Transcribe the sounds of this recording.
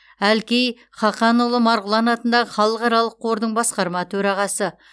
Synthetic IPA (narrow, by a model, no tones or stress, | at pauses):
ælkʲej | χɑqɑnulˠəmɑɾʁəlˠɑnɑt̪ənd̪ɑʁəχɑlˠəqɑɾɑlˠəqʰːo̞ɾd̪əɴbɑsqɑɾmɑt̪ʰɵɾɑʁɑsə